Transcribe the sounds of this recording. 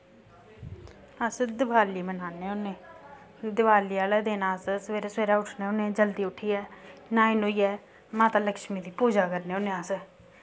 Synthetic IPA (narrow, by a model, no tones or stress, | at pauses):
əsd̪ɪbaːliːmənaːneːoːneː | d̪ɪbaːliːaːlɛːd̪eːnaːssʋeːɾeːsʋeːɾaːʊʈʰneːoːnẽːd͡ʒəld̪iːʊʈʰːiːɛːnaːinoːiːɛː | maːt̪aːləkʃmiːd̪iːpuːd͡ʒaːkəɾneːɦoːneas